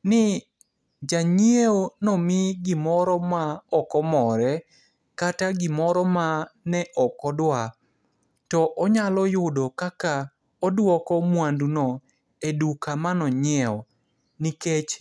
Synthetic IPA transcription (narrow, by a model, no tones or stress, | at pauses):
nɪ | d͡ʒaɲieonɔmɪɡɪmɔɾɔmaɔkɔmɔɾɛ | kataɡɪmɔɾɔmanɛʔɔkɔdwa | tɔʔɔɲalɔjʊdɔkaka | ɔdwɔkɔmwandunɔ | edukamanɔɲɛɔ | niket͡ʃ